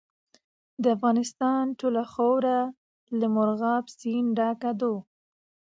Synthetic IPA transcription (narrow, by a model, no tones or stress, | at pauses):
d̪əafɣɑnɪst̪ɑnʈolaxowɾa | ləmʊɾɣɑpsinɖɑkad̪o